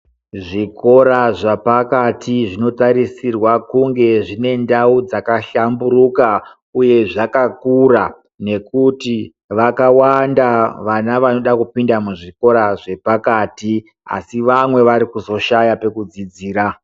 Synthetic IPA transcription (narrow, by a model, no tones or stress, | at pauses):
ʐiko̞ɾaʐapakatiʐino̞taɾisirwakuŋɡe̞ʐine̞ndaud͡zakaɬamburuka | uje̞ʐakakura | ne̞kuti | ʋakawandaʋanaʋano̞ɗakupindamuʐiko̞ɾaʐe̞pakaːti | a̰siʋamwe̞ʋaɾikuzo̞ʃajape̞kud͡zid͡ziːɾa